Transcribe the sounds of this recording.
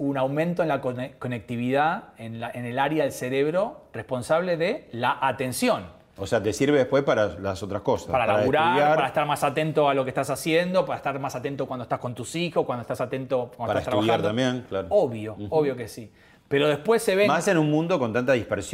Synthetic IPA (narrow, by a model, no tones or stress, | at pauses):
unawmẽ̞nt̪oenlakokonek̚t̪iβiðaenlaʔenelaɾjaðelse̞ɾeβɾo̞respo̞nsaβle̞ðelaʔat̪e̞nsjo̞n | oseat̪esiɾβeðepwespaɾalasot̪ɾaskosaspaɾalaɾaɣuɾaɾjaɾpaɾaest̪aɾmasat̪e̞nt̪oalokehst̪asasjend̪o̞paɾaeht̪aɾmasat̪ent̪okwand̪oest̪ḁhko̞nt̪usixoskwand̪oet̪asat̪e̞nt̪owanataast̪ɾaβaðxjanɾt̪oambjenklaɾooβjo̞oβ̞jo̞ke̞si | pe̞ɾoðehpwe̞sːeβemasenunmũnd̪okont̪ant̪aðihpeɾsj